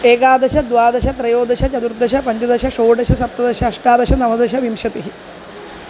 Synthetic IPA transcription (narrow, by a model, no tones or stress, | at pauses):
eːkaːd̪ɐʃɐd̪ʋaːd̪ɐʃɐt̪ɾɐjoːd̪ɐɕɐt͡ʃɐt̪uɾd̪ɐʃɐpɐɲd͡ʑɐd̪ɐʃɐʂoːɖɐʃɐsɐp̚t̪ːɐd̪ɐʃɐːʂʈaːd̪ɐʃɐnɐmɐd̪ɐʃɐʋimʂɐt̪iɦi